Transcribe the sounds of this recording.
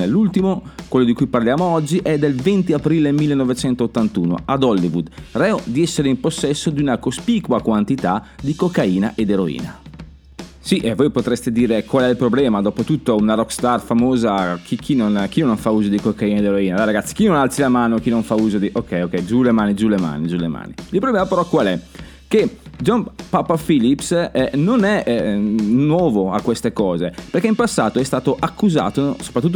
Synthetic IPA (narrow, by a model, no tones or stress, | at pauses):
elːult̪imokwelːod̪ikujparljaːmoɔd͡ʒːiʔɛd̪elvɛnt̪iapɾilemilːenovet͡ʃɛnt̪oot̪ːant̪uːno̰ad̪ɔlːivud̪rɛod̪iɛsːeɾeimposːɛsːod̪iunakospiːkwakwant̪it̪ad̪ikokːaiːna̰ʔed̪eɾoḭːna̰ | siʔɛvːojpot̪ɾest̪ed̪iːɾekwalɛilpɾoblɛːmad̪ɔːpot̪ut̪ːounarɔkst̪arfamoːzakʰikʰinonk̟inonoɱfauːzod̪ikokːained̪eɾoiːnalaɾaɡat̪si̥k̟inonalt̪silamaːnok̟inoɱfauːzod̪iʔokʰːɛjokːɛjd͡ʒulemaːnid͡ʒulema̰ːnid͡ʒulḛma̰ːniilpɾoblɛmapeɾɔkwalɛ | ked͡ʒɔnpapafilipsɛnonɛ | nwɔːvoakːwest̪ekɔːzepeɾkeimpasːaːt̪oɛst̪aːt̪oʔakːuza̰ːt̪oso̥pɾat̪ːut̪ː